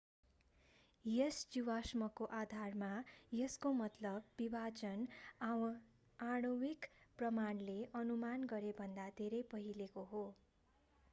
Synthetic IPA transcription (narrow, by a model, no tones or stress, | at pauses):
jesd͡zuwasmʌkoʔad̪ʱarmajeskomʌt̪lʌbːibad͡zʌn | aɽ̃ʌwikprʌmanleʔʌnumanɡʌɾebʱʌnd̪ad̪ʱeɾʌjpʌɦilekoɦo